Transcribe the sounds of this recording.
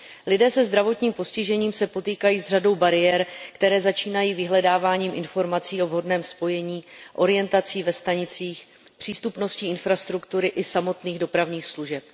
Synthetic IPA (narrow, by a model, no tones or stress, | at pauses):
lɪdɛːsɛzd̪ɾavo̞t̪ɲiːmpo̞scɪʒɛɲiːmsɛpo̞t̪iːkajiːzrado̞wbaɾɪjɛɾkt̪ɛɾɛːzat͡ʃiːnajiːvɪɦlɛdaːvaːɲiːmʔɪnfo̞ɾmat͡siːo̞vɦo̞dnɛːmspo̞jɛɲiːʔo̞ɾɪjɛnt̪at͡siːvɛst̪aɲɪt͡siːx | pr̥iːst̪upno̞sciːɪnfɾast̪ɾukt̪uɾɪʔɪsamo̞t̪niːɣdo̞pɾavɲiːxsluʒɛp